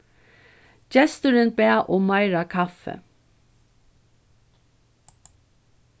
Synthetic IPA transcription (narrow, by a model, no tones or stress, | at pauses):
d͡ʒɛst̪əɾənbæːʔoːmɑɪɹɑkʰɑfə̰